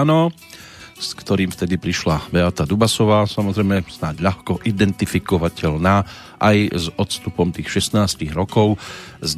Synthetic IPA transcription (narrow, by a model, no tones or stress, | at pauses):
nɔ | skt̪ɔɾiːmft̪ɛd̪ipɾiʃlabɛat̪ad̪ubasɔʋaːsamɔzɾɛjmɛz̥naɟʎaxkɔʔid̪ɛnt̪ifikɔʋacɛʎnaː | ʔajzɔt̪st̪upɔmt̪iːxʃɛsnaːsciɣɾɔkɔʊz